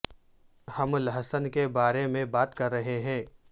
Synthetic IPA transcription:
hɐmlɦəsənkebaːɾemẽbaːt̪kɐɾːɐɦeɦɛ̃ː

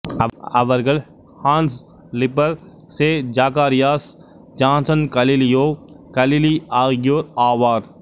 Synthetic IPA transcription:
ɐʋɐɾɡɐl | hãːns | lɪpəɾ | sed͡ʒaːkaːɾɪjaːs | d͡ʒãːnsənkɐlilijoːkɐliliaːɡjoːɾaːʋaːɾ

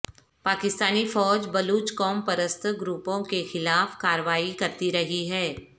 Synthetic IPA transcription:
paːkɪst̪aːnifɔːd͡ʒbɐluːt͡ʃkɔːmpɐɾəst̪ʰɡɾuːpõkexɪlaːfkaːɾəʋaːikɐɾt̪iɾɐɦiɦɛː

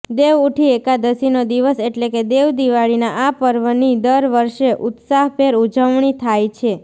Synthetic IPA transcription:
d̪eʋuʈʰiekad̪əsinod̪iʋəseʈleked̪eʋd̪iʋaɭinaʔapəɾʋənid̪əɾʋəɾʃeʔut̪saɦpʰeɾud͡ʒəʋɳit̪ʰajt͡ʃʰe

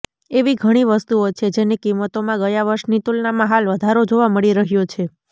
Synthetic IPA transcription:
eʋiɡʱəɽ̃iʋəst̪uot͡ʃʰed͡ʒenikimːət̪omãɡəjaʋəɾʃnit̪ulnamãɦalʋəd̪ʱaɾod͡ʒoʋaməɭiɾəɦjot͡ʃʰe

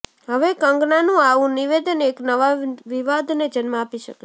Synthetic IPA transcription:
ɦəʋekə̃ŋɡnanũaʋũniʋed̪əneknəʋaʋiʋad̪ned͡ʒənmaapiʃəke

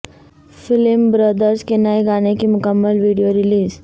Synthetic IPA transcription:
fɪlmbɾəd̪əɾskenajɡaɽ̃ekimʊkəmːəlʋiɖijoɾiliːz

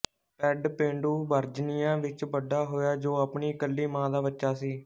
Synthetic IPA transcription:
pɛːɖpẽːɳɖuːbəɾd͡ʒnɪjãːʋɪt͡ʃʋəɖːaːɦoːjaːd͡ʒoːaːpɳiːkəlːiːmãːd̪aːbətːʃaːsiː

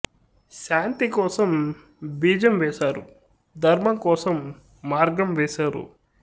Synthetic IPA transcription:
ʃaːnt̪ikɔːsɐm | biːd͡ʒɐmʋɛːʃaːɾu | d̪ʱɐɾmɐŋkɔːsɐmː | aːɾɡɐmʋɛːʃaːɾṵ

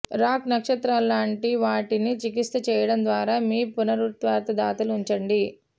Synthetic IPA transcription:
ɾaːknɐkʂɐt̪ɾalːaːɳʈiʋaːʈinit͡ʃikist̪ɐt͡ʃɛːjɐɽɐnd̪ʋaːɾaːmiːpunɐɾut̪ʋaːɾt̪ɐd̪aːt̪ɐluɲt͡ʃɐɳɖi

